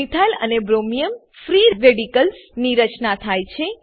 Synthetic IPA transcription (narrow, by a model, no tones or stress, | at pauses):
it̪ʰajlə̰nebɾomijəm | fɾiɾʋeɽikəlsniɾət͡ʃnat̪ʰajt͡ʃʰe